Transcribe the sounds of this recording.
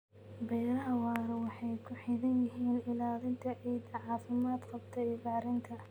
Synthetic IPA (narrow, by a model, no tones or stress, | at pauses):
bɛjnɐɦɐwɑːɾwɑħɑjkʰʊħɪðɐnjɪɦiːnʔɪlaːlɪnt̪ʰɐʕiːd̪ɐʕɑːfɪmaːd̪qɑbt̪ʰɐɪðaːɾɪnt̪ʰɐ